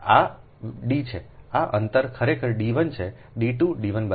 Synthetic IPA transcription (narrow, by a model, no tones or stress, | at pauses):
a | ɖit͡ʃʰeaʔənt̪əɾkʰəɾekʰəɾɖiʋənt͡ʃʰe | ɖiʈũɖiʋənbə